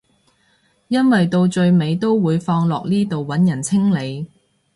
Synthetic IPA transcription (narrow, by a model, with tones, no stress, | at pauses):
jɐ˥nwɐ˨jt̪o˧wt͡ʃɵ˧ɥme˨˧jt̪o˥wwuː˨˧jfɔː˧ŋlɔː˨k̚niː˥t̪o˨wwɐ˨˥njɐ˨˩nt͡sʰɪ˥ŋle˨˧j